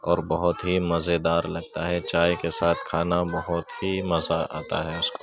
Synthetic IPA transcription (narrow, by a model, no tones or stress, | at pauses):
ɔːɾbɐɦʊt̪ɦimɐzed̪aːɾlɐɡ̚t̪aɦɛt͡ʃaːjkesaːt̪ʰkʰaːnabɐɦʊt̪himɐzaa̰ːt̪a̰ɦɛʊsko